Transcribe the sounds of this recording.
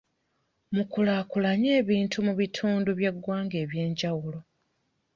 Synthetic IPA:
mukulaːkulaɲe̞ːβiːntʰumuβitʰuːnduβjeɡwaːŋɡe̞ːβje̞ːɲɟawulo̞

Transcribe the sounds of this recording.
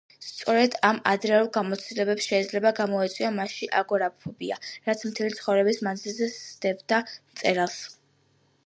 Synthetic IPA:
st̪sʼɔɾɛd̪ama̰d̪ɾɛulˠɡamɔt̪sʰt̪ilɛbɛpsʃɛid̪zlɛbaɡamɔɛt̪sʼwiɔmaʃiʔaɡɔɾapʰubiaɾat̪sʰmt̪ʰɛlit̪sʰχɔvɾɛbismanzilˠzɛsd̪̥ɛvd̪amt̪sʼɛɾalˠs

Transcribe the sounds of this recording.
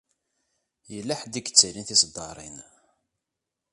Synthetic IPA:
jəlːaħd̪iɡə̥t͡sːəlinθisd̪ˤːɑɾˤḭn

